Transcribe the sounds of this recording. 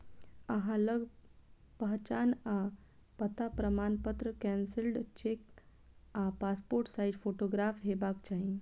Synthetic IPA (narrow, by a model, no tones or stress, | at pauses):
əɦãləɡ | pəɦt͡ʃaːna | pət̪apɾəmanpət̪ɾəkɛnsɪlɖt͡ʃek̚ | apaːspoɾʈsaɪʈpʰoʈoɡɾaːpʰɦebakt͡ʃaɦĩ